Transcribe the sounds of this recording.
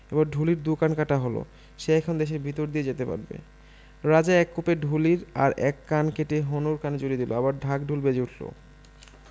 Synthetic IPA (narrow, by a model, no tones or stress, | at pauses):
ebaɾɖʱuliɾd̪ukankaʈaɦolo̰ | ʃeɛkʰond̪eʃ̬eɾbʱit̪oɾd̪ied͡ʑet̪epa̰ɾbḛ | ɾad͡ʑaɛkːopeɖʱuliɾa̰ɾɛkːankeʈeɦonuɾkaned͡ʑoɾid̪iloabaɾɖʱak̚ɖʱulbed͡ʑeuʈʰlo̰